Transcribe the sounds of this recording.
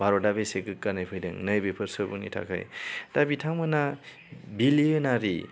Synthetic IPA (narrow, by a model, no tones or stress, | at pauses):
baɾɔdabiseɡɯkkːanɯjpʰɯjdɯŋnɯjbepʰɯɾsɯbunḭtʰa̰kʰa̰jd̥abitʰaŋmɯna | biliɯnaɾi